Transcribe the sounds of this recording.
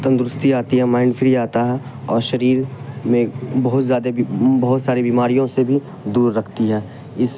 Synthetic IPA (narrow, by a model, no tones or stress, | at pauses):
t̪ə̃nd̪ɾʊst̪iaːt̪iɦɛmaːɪnfʰɪɾiaːt̪aɦɛɔːɾʃɐɾiːɾmẽbɐɦʊt̪zjaːd̪ebɐɦʊt̪saːɾibiːmaːɾijõsebʱi | d̪uːɾːɐkʰt̪iɦɛː | ɪs